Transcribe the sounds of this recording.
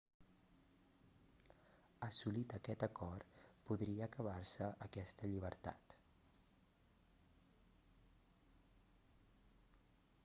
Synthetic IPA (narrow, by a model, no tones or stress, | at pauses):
əsulit̪əkɛt̪əkɔrpuðɾiəːkəβ̞arsəʔəkɛst̪əʎiβ̞əɾt̪a̰t̪